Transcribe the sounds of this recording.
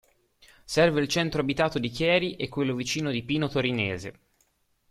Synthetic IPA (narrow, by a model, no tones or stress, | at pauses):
sɛrveilt͡ʃɛnt̪ɾoabit̪aːt̪od̪ikjɛːɾiʔekːwelːovit͡ʃiːnod̪ipiːnot̪oɾineːze